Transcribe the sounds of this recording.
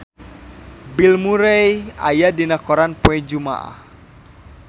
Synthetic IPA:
bilmuɾeja̰jadinakɔɾanpuɛd͡ʒuma̰ʔa̰h

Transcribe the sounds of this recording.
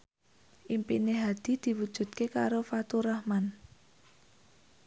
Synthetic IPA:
ʔimpineɦad̪̥i̤d̪̥i̤wud̥ʒ̥ṳt̪̚keka̰ɾofat̪uɾahman

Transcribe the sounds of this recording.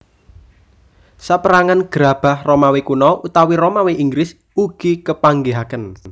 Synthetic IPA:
sapəɾaŋanɡ̥əɾab̥a̤hromawekunɔʔut̪awiɾomawiʔiŋɡɾɪs | uɡ̥ikəpaŋɡeɦakən

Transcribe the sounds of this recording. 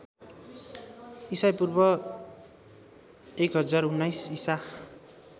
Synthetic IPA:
isajpurbʌ | ekɦʌd͡zarunːajsisa

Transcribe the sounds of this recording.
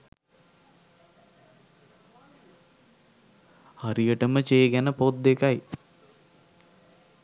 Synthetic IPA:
haɾijəʈəmət͡ʃejəɡænəpod̪ːekaj

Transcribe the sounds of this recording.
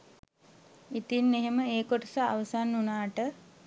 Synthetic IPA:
it̪inːeɦeməeːkoʈəsaːʋəsanːunaːʈə

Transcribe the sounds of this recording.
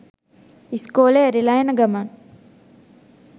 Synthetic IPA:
iskoːleɐɾilaːjɐnɐɡɐmaːn

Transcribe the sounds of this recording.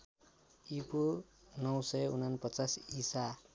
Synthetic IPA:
ipu | nʌwsʌjunanpʌt͡sasisa

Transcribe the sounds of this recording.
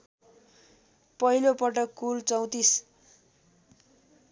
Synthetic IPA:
pʌɦilopʌʈʌkːult͡sʌw̃t̪is

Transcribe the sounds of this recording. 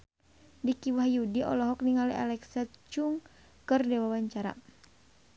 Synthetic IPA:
dikiwahjudiɔ̰lɔɦɔk̚niŋalia̰lɛksat͡ʃuŋ | kɨrdɛwawaɲt͡ʃaɾa̰

